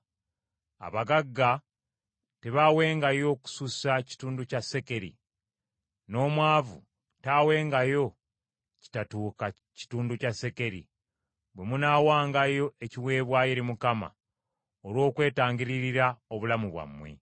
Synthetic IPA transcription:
a̰βaɡaɡːa | te̞βawe̞ːŋɡajo̞ku̥susaci̥tuːnducase̞ke̞ɾḭ | no̞ːmwaːvu | taːwe̞ːŋɡajo̞ | ci̥tatuːka | ci̥tuːnducase̞ke̞ɾḭ | βwe̞munaːwaːŋɡajo̞e̞ciwe̞ːβwaje̞ɾimukama̰ | oɾwo̞ːkwe̞ːtaːɲɟiɾiɾiɾao̞βulamuβwa̰mːwe̞̰

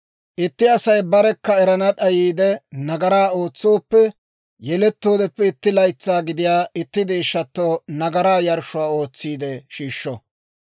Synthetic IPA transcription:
ʔɪt̪ːɪɐsɐjbɐɾɛkːɐɛɾɐnɐɗɐjiːd̪ɛnɐɡɐɾaːo̞ːt͡sːoːpːɛ | jɛlɛt̪ːo̞ːd̪ɛpːɛɪt̪ːɪlɐjt͡sːaːɡɪd̪ɪjaːʔɪt̪ːɪd̪ɪːʃːɐt̪ːoːnɐɡɐɾaːjɐɾʃʊwaːo̞ːt͡sːiːd̪ɛʃiːʃːɔ

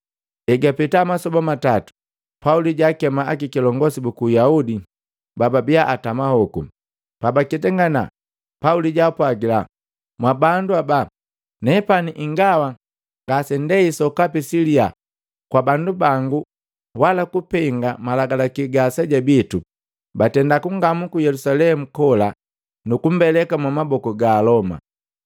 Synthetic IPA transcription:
ɛɡapɛtamasɔbamatatu̥ | pauliɟakɛmaakikilɔŋɡɔsibukujaudi | bababiaʔatamahɔkṵ | pabakɛtɛŋɡana̰ | pauliɟapwaɡila̰ | mwabanduaba | nɛpaniʔiŋɡawa | ŋɡasɛndɛisɔkapisilia | kwabandubaŋɡu | walakupɛŋɡamalaɡalakiɡasɛɟabitu | batɛndakuŋɡamukujɛlusalɛmukɔla | nukum̩bɛlɛkamwamabɔkɔɡaːlɔma̰

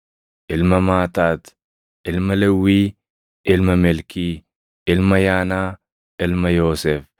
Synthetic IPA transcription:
ʔɪlmɐmaːt̪aːt̪ | ʔɪlmɐlɛwːiː | ʔɪlmɐmɛlkiː | ʔɪlmɐjaːnaː | ʔɪlmɐjoːsɛf

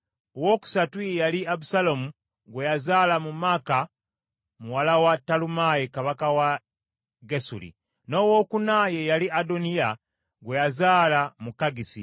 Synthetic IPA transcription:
owo̞ːku̥satujejaliaβusalomu | ɡwe̞jazaːlamumaːka | muwalawatːalumajekaβakawa | ɡesṵlḭ | no̞wo̞ːkunaje̞jaliʔadonija | ɡwe̞jazaːlamukːaɡisḭ

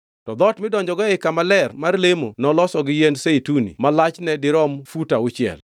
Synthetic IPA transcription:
tɔd̪ɔtmɪdɔɲd͡ʒɔɡɔɛkamalɛrmarlemo̰nɔlɔsɔɡɪjenseitunḭmalat͡ʃnɛdɪɾɔmfutaʊt͡ʃjɛ̰l

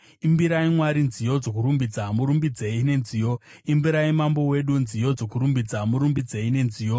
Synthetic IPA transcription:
imbiɾaimwaɾinzijo̞d͡zo̞kuɾumbid͡zamuɾumbid͡ze̞ine̞nziːjo̞ | imbiɾaimambo̞we̞ɗunzijo̞d͡zo̞kuɾumbid͡zamuɾumbid͡ze̞ine̞nzijo̞

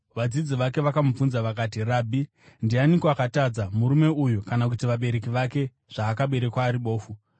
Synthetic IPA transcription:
ʋad͡zid͡ziʋake̞ʋakamub͡vunzaʋakaːt̬iraːbʱi | ndianikoakatad͡zamuɾume̞ujukanak̬utiʋaɓe̞ɾe̞k̬iʋake̞ | ʐ̥aːkaɓe̞ɾe̞kwaːɾiɓo̞ːfu

